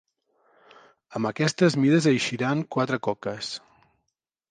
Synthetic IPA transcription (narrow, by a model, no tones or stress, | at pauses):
əmbəkɛst̪əzmiðəzəjʃiɾaŋkwat̪ɾəkɔkəs